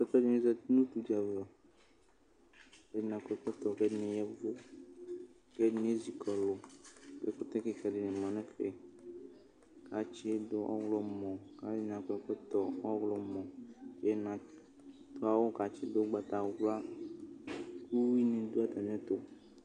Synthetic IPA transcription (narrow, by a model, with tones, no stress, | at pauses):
sɛ˦t̪ɔ˦d͡ʒɔ̃˦nĩ˦zɛ˦nũ˦t̪u˨d͡ʒa˨vɔ˨ | e˨˦di˦nã˨kɛ˦k͡pɛ˦t̪ɔ˨kɛ˦nɛ̃˨jɛ˦vo˦ | kɛ˦nẽ˦zi˨kʰɔ˨lo˨ke˦ko˦t̪ɛ˦ke˦kɛ˨di˨nɛ̃˨mã˨nɛ̃˦ke˨ | ka˨t͡ʃe˦d̪o˦ʔɔ̰˦wlɔ˦mɔ̃˨ka˨i˦nã˨kɛ˨k͡pɛ˦t̪ɔ˨ɔ˦wlɔ˨mɔ̃˨˦ɛ˦nã˨ | t̪o˦a˨wo˦ka˨t͡ʃi˦d̪o˦ɡ͡ba˨t̪a˨˦wla˦ | ku˦wi˦nẽ˨d̪u˦a˦t̪a˨m˦ɛ̃˦t̪o˦